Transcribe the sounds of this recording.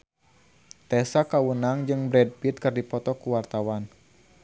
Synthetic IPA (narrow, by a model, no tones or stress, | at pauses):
t̪ɛsakawənaŋd͡ʒɨŋbɾɛd̚pit̪̚kɨrdipɔt̪ɔkuwart̪awan